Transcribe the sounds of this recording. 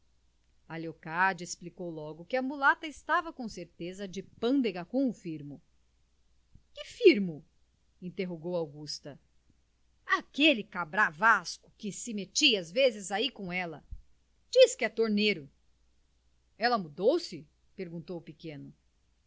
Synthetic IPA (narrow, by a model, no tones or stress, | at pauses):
aleokaɾd͡ʒesplikowlɔɡʊkɪɐmulat̪ɐɪst̪avɐkõseɾt̪ezɐd͡ʒɪpɐ̃nd̪eɡɐkõʊfiɾmʊ | kɪfiɾmʊ | ĩnt̪eɦoɡowawɡust̪ɐ | akelɪkabɾavaskʊ̥kɪsɪmet͡ʃiazvezɪzaikõɛlɐ | d͡ʒiskɪɛt̪oɾneɾʊ | ɛlɐmud̪owsɪ | peɾɡũnt̪owʊpikẽnʊ